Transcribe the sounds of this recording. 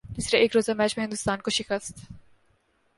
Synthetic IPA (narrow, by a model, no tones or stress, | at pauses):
d͡ʒ̪ɪsɾeʔeːkɾoːzamɛːt͡ʃmẽɦɪ̃nd̪ʊst̪aːnkoʃɪkɾəst̪